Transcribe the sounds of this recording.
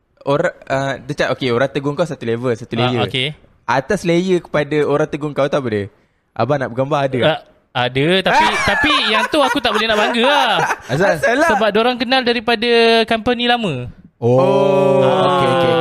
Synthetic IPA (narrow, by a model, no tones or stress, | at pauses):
oɾaədət͡ʃaʔokeoɾaŋt̪əɡʊŋkawsat̪ulevəlsat̪ulejəoke | at̪aslejəkə̥padaoɾaŋt̪əɡʊŋkawt̪abədə | ʔa̰banaʔbəɡambaɦadə | adət̪appit̪apijaŋt̪uakut̪aʔ̚bolehnaʔbaŋɡəaasasalasəbap̚doɾaŋkənaldaɾipadakampanilamə̃ | o | aokeoke